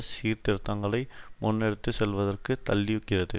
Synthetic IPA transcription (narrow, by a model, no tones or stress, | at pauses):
siːɾt̪ɪɾɯt̪ːɐŋɡɐɭɐɪmʔʊnːɛɽɯt̪ːɯsɛlʋɐðɐrkɯt̪ɐlːɪjɯkːɪrɐðɯ̰